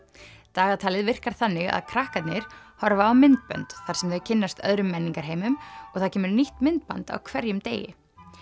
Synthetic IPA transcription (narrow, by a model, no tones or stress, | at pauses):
t̪aːɣat̪ʰaːlɪðvɪr̥kaɾ̥θanːɪɣa̰ðkʰɾahkat̪nɪɾ̥hɔɾvaːwmɪnt̪̚pœ̰nt̪θaɾ̥sɛmðœɥcʰɪnːast̪œ̰ðɾʏmːɛnːiŋkaɾ̥ɦeːjmʏmɔɣθaðcʰɛːmʏɾniht̪mɪnt̪̚pa̰nt̪a̰wkʰvɛɾjʏmt̪ḛːjɪ̰